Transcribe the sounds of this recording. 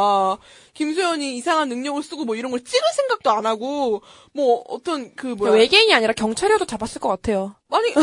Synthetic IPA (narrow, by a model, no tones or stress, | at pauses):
kims̬ʰojʌɲiːsʰaŋɦanːɯŋɲʌɡɯɭs͈ɯɡomwʌiɾʌnɡʌɭt͡ɕ͈iɡɯnsʰe̞ŋɡak̚t͈oanaɡo | mwʌʌ̰t͈ʌnkɯmowe̞ɡeiɲiaɲiɾakjʌŋt͡ɕʰaɾjʌdot͡ɕabas͈ɯɭk͈ʌk͈atʰe̞jo | aɲi